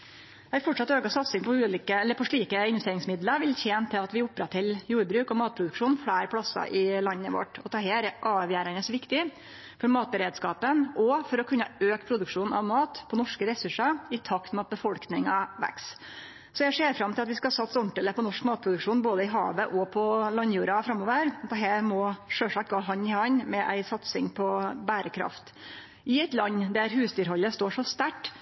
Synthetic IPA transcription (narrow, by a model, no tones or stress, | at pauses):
æfɔʈʂɑt̪ːøːkɑsɑt̪sɪŋpʰɔʉːliːkəɛlːəɾpʰɔʂɭiːkəɪnʋɛst̪eːɾɪŋsmɪd̪ləɾʋɪlt̪ʰjeːnt̪ʰɪlɑt̪ʋɪʊpːɾɑt̪ʰɪljuːɾbɾʉːkɔmɑːt̪̚pʰɾʊd̪ʉkʂuːnfɽæːɾpʰlɑsɑ̰ʔɪlɑnːəʋɔ̰ʈːɔt̪ʰɑːɦeːɾɛʔɑːʋjæːɾɑnəsʋɪkt̪ɪ | fɔɾmɑːt̪̚bəɾeːd̪skɑːpənɔfɔɾɔkʰʉnːəøːkpʰɾʊd̪ʉkʂuːnɑ̰ʋmɑːt̪pʰɔnɔʂkəɾɛsʉʂɑɪt̪ʰɑkt̪mɛɑt̪̚bəfɔlknɪŋɑʋæ̰ks | sɔjæɪseːɾfɾɑmt̪ʰɪlɑt̪ʋɪskɑsɑt̪sɔɳʈələpɔnɔʂkmɑːt̪̚pʰɾʊd̪ʉkʂuːnboːd̪əɪɦɑ̰ːʋəʔɔpʰɔlɑnjuːɾɑfɾɑmːoːʋəɾd̪ɛɦæːɾmɔʂøːʂɑːkɑɦɑnːɪhɑnmɛʔæɪsɑt̪sɪ̰ŋpʰɔbæːɾəkʰɾɑ̰ft̪ | ʔɪæɪt̪lɑnːd̪æɾɦʉːsd̪yːɾɦɔlːəst̪oːʂɔst̪æʈː